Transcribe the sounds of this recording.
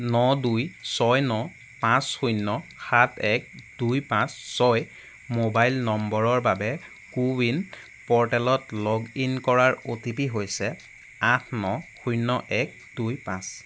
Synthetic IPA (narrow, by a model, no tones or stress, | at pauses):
nɔdujsɔjnɔ | pãsxujnːɔxatʰɛk̚d̥ujpãsːɔj | mobajlnɔmbɔɹɔɹbabɛ | kuwin | pɔɹtɛlɔtlɔɡinkɔɹaɹotipiɦojsɛ | atʰnɔxujnɔʔɛk̚d̥ujpãs